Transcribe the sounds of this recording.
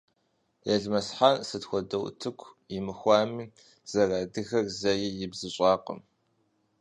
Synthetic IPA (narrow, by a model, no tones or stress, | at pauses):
jɛɮmɐsħansɨtxʷɔdɐwtʰɨkʷʰjɪmɨxʷɑːmiː | z̥ɐraːdɨxɐrzɐjɪjɪbzɨɕʼɑːqə̰m